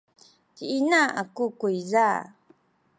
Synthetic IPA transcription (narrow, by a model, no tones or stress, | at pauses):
tiinaakukuiza